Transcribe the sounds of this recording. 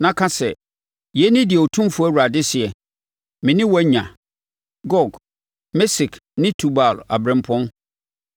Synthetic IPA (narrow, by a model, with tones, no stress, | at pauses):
nã˦kʰã˦sɛ˨ | jɛ˨˦nɪ̃˦dɪ˨ɛ˨o˨tʰũ˦fʊ˦æ˦wu˨ɾa˨dɪ˦sɪ˨ɛ˨ | mɪ̃˨nɪ̃˦wɔ˦ɲã̰˨ | ɡɔ˨ɡ | mɛ˦si˨kʰnɪ̃˦tʰu˨ba˨la̰˨bɾɛ̃˨m˦pʰɔ̃˦n